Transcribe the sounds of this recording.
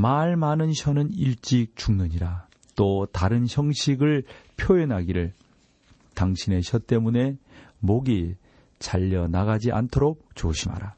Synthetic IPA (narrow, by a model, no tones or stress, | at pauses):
maɭmanɯnɕʰʌnɯniɭt͡ɕ͈ik̚t͡ɕuŋnɯɲiɾa | t͈otaɾɯnçjʌŋɕʰiɡɯɭpʰjoenɦaɡiɾɯɭ | taŋɕʰine̞ɕʰʌt͈e̞mune̞moɡi | t͡ɕaʎːʌnaɡad͡ʑiʔa̰ntʰoɾok̚t͡ɕoɕʰima̰ɾa